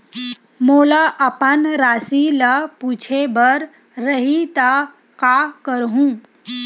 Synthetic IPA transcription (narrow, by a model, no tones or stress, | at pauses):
moːlaʔəpənɾaːsilapuːt͡ʃʰebəɾː | əɦit̪a | kakəɾɦũː